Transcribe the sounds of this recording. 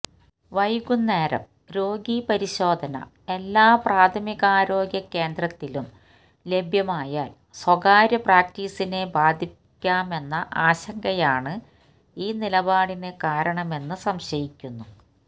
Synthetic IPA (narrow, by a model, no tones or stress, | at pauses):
ʋɐjuɡunːe̞ːɾɐ̰m | ɾo̞ːɡipɐɾiɕo̞ːd̪ʱɐnɐ̰ | e̞lːaːpraːt̪ʰɐmiɣɐaːɾo̞ːɡjɐkːe̞ːnd̪rɐt̪ːilum | le̞bʱjɐmaːjaːl | swɐɡaːɾjɐpraːk̚tiːsine̞baːd̪ʱi | kʲːaːme̞nːɐʔaːɕɐŋɡɐjaːɳɨ | iːnilɐbaːɽinekaːɾɐɳɐme̞nːɨsɐmɕɐjikʲːunːu